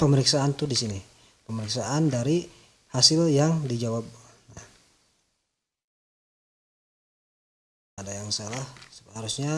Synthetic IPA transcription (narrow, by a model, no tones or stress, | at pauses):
pəməɾiksaːnt̪udisini | pəməɾiksaʔandaɾi | hasɪljaŋdid͡ʒawab̚ | na | adajaŋsalahhaɾusɲa